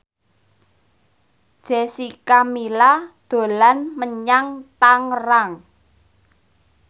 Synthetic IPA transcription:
d̥ʒ̥e̤sikamilad̪̥o̤lanməɲaŋt̪aŋraŋ

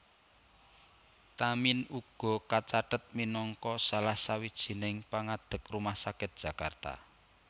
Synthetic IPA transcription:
t̪aminuɡ̥ɔ̤kat͡ʃaʈət̪̚minɔŋkɔsalahsawid̥ʒ̥i̤nɪŋpaŋad̪̥ə̤krumahsakɪt̪̚d̥ʒ̥ä̤kart̪a̰

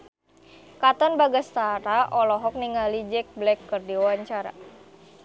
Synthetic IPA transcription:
kat̪ɔnbaɡast̪aɾaʔɔlɔɦɔk̚niŋalid͡ʒɛk̚blɛkːɨrdiwawaɲt͡ʃaɾa̰

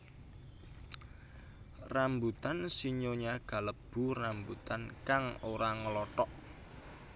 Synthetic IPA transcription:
rambut̪ansiɲoɲaɡ̥a̤ləb̥ṳrambut̪ankaŋoɾaŋəlɔʈɔʔ

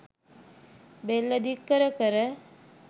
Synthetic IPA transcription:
belːəd̪ikːəɾəkəɾə

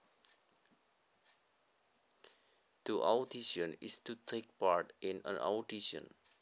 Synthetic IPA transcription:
d̪̥əʔawtiʃə̃nḭstutʰek̚paɹtĩnə̰̃na̰wtiʃə̰̃n

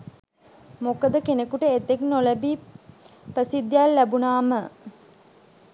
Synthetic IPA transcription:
mokəd̪əkenekuʈəet̪ːeknoləbi | prəsid̪ːjalːæbunaːmə

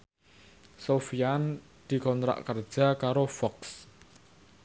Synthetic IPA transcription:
sofijan | d̪̥i̤kɔnt̪ɾa̰ʔkər̥ʒ̥a̤kaɾofɔks

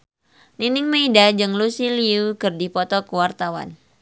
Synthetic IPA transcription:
ninɪŋmeidad͡ʒɨŋlusiliukɨrdipɔt̪ɔkəwart̪awa̰n

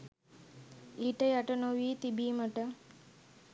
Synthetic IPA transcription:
iːʈəjaʈənoʋiːt̪ibiːməʈə

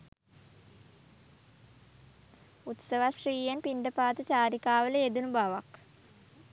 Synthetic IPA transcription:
ut̪səʋaʃriːjenpind̪əpaːt̪ət͡ʃaːɾikaːʋələed̪unubaʋak

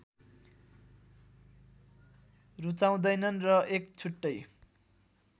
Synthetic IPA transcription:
rut͡saw̃d̪ʌjnʌnrʌʔek̚t͡sʰuʈːʌj

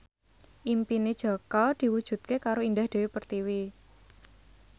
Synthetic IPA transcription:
ʔimpined̥ʒ̥ɔ̤kɔd̪̥i̤wud̥ʒ̥ṳt̪̚kekaɾoind̪ahd̪̥e̤wepərt̪iwi

